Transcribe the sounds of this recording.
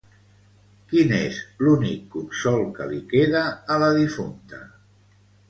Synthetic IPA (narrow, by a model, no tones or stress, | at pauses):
kinezlunikːunsɔlˠkə̰likeðaːləðifunt̪ə̰